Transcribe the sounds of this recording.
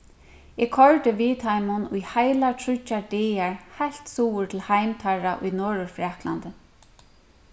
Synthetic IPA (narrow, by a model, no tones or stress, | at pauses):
ɛkʰɔɹt̪ɪviːt̪ʰajmʊnʊjhajlatʰɾʊt͡ʃːad̪ɛːaɹhajl̥t̪suːʊɹt̪ʰɪlhajmt̪ʰaɹaʔʊ̰jnɔːɹʊfɾaːkla̰nt̪ɪ